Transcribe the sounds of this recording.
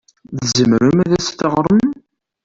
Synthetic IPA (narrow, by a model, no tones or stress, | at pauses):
ðzəmɾəmæðæsθəʁɾˤəm